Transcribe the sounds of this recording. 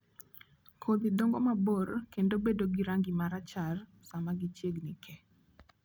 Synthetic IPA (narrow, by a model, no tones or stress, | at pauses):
kʰod̪ɪd̪ɔŋɡɔmaborkendobedoɡiɾaŋɡɪmaɾat͡ʃar | samaɡit͡ʃjeɡnɪkʰɛ